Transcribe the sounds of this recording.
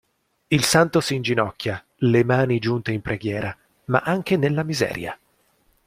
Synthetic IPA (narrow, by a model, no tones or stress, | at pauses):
ilsant̪osind͡ʒinɔkːja | lemaːnid͡ʒunt̪eimpɾʔeɡjɛːɾa | ma̰ʔaŋk̟enelːamizɛ̰ːɾja̰